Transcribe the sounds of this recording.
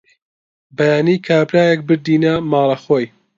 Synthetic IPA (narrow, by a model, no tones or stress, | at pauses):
bɐjaːniːkʰaːɾbɾaːjek̚bɨɾd̪iːnɐmɑːlˠɐxoːj